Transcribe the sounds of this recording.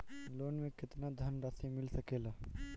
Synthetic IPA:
loːnmẽkɪt̪nad̪ʱɐnɾasimɪlsɐkeːlaː

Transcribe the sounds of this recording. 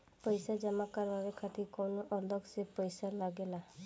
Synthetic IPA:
pɔjsad͡ʒamakaɾbaɾekʰat̪ikɔwnɔʔɔlɔksepɔjsalaɡela

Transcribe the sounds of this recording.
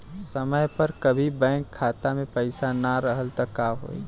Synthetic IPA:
səməjpəɾkəbʱibɛ̃ːŋkʰːaːt̪amẽpəɪsanaɾəɦəlt̪əkːaːɦo̰ːḭ

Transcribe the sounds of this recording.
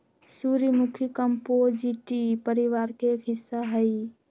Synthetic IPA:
suɾimukʰikəmpod͡ʒiʈipəɾiʋaɾkekʰɦisːaɦəɪ

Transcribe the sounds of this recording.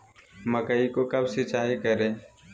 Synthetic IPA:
məkəikokəbsɪt͡ʃaːɦikəɾẽː

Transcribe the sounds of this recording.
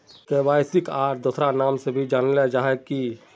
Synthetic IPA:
t̪ebaːɪsɪkaːʈd̪ʊsɾanaːmsebʱid͡ʒaːnlɛd͡ʒaːɦɛki

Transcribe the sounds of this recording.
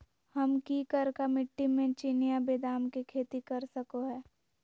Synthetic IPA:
hɐmkiːkəɾkamɪʈːimẽt͡ʃinijabeːd̪aːmkikʰeːt̪ikɐɾsɐkoɦɛː

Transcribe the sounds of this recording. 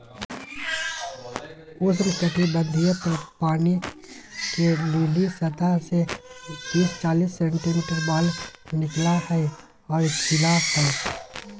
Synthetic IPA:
ʊsnkəʈʰibə̃nd̪ʱijəp̪ɐɾpaːni | keluːlisɐt̪asebiːst͡ʃaːliːsːɛ̃ːɳʈimiːʈəɾbaːlnɪklahɛe | ɔːɾɪkt̪ɪlahɛe

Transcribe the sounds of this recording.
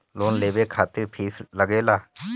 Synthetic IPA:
loːnleːbeːkʰaːt̪ɪɾpʰiːsləɡeːlaː

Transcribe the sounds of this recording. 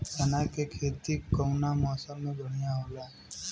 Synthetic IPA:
sanakekʰet̪ikːɔŋnamɔsɔmebʱɔɽ̃ijaɦola

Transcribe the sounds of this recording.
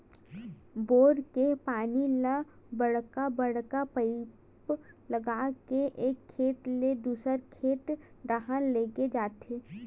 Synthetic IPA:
boːɾkepaːnilə | bəɽkabəɽkapəɪ | plɐɡakeʔeːkʰːeːt̪led̪uːsəɾkʰeːʈɖaɦənleːɡed͡ʒaːt̪eː

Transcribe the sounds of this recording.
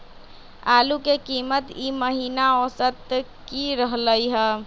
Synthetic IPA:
alukekimət̪iməɦinaosət̪ | kiɾəɦləjɦə

